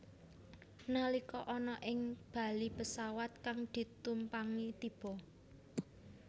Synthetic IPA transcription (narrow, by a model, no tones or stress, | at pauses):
nalikɔʔɔnɔʔɪŋb̥ä̤lipəsawat̪̚kaŋd̪̥i̤t̪umpaŋit̪ib̥ɔ̤